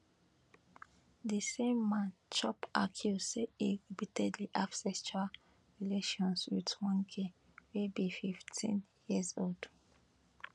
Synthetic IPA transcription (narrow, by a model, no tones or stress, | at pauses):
disẽmːãnt͡ʃɔpa̰kʰjuseeɡibitʰɛdliʔafsɛst͡ʃa | ɹileʃɔ̃nswḭtwɔ̃nkʰe | webififtʰḭ̃njizold̥